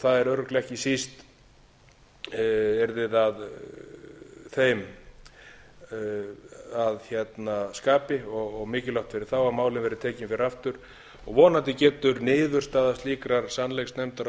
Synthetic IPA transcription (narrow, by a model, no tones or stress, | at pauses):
θaðɛɾœwɾʏklɛhcɪsist̪ | ɛɾðɪðað | θejm | aðçɛt̪naskaːpɪɔɣɔɣmɪːcɪlœwht̪fɪɾɪɾ̥θawaðmaːwlɪnvɛːɾɪt̪ʰɛːcɪmfɪɾɪɾaft̪ʏɾ̥ | ɔɣvɔːnant̪ɪcɛːt̪ʏɾnɪːðʏrst̪aːðast̪liːkɾaɾ̥sanːlejksnɛmt̪aɾ